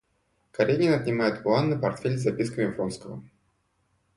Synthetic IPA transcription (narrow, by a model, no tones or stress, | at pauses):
kɐɾʲeɡʲɪnɐt̪ʲnʲɪmajɪt̪plˠanːəpɐrt̪fʲelʲzɐpʲiskəɪmfɾonskəvə